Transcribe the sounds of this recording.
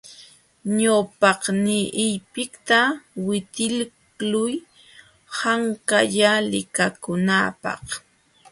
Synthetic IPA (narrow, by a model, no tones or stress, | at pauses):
ɲawpɑqnɪʔɪjpɪkt̪awɪt̪ɪl | lʊj | haŋkaʎalɪkakʊnapɑ̰χ